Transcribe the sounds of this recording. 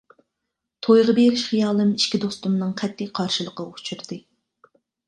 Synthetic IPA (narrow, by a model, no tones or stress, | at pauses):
t̪ʰojʁɑbeɾɪʃχijɑːlˠɨmiʃkʲid̪ost̪umnɨŋqʰɛt̪ʰːɪqʰɑɾʃɨlˠəqəot͡ʃʰuɾd̪̥ɨ